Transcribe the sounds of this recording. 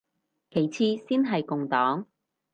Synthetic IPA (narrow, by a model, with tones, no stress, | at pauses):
kʰe˨˩jt͡sʰiː˧siː˥nɦɐ˨jkʊ˨ŋt̪ɔː˨˥ŋ